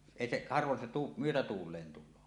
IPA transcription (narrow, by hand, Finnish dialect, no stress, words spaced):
eˑi seʔ hɑrʋon se tu myøtætuːlˑeːn tulˑoː